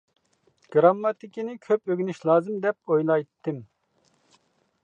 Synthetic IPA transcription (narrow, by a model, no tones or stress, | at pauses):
ɡ̥ɾɑmːɑt̪ɪkʲinɪkʲʰøpøɡʲnyʃlˠɑːzɨmd̪ɛp̚ojlˠɑjt̪ʰːɪm